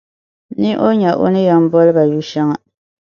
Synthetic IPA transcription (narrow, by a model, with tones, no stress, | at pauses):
ni˦ʔo˦ɲa˨ʔo̰˦nɨ˦ja˨m̩˦bɔ˦lɨ˦ba˨ju˦ʃa˦ŋa˨